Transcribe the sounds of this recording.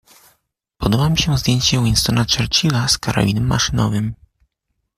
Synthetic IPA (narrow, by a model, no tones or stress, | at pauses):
pɔd̪ɔbamʲiɕɛ̃zd̪jeɲt͡ɕɛwinst̪ɔnat͡ʂɛɾt͡ɕilaskaɾʔa̰lʲinɛmːa̰ʂɘnɔ̰vɘm